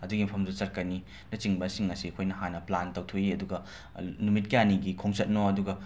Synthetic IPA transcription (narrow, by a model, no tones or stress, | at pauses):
ɐduɡipʰɐmzusɐɾkɐni | nɐt͡ʃiŋbɐsiŋːɐsiɐkʰojnɐhanɐplantɐwtʰoiɐduɡɐ | numit̚kijaniɡikʰoŋsɐt̚noɐduɡɐ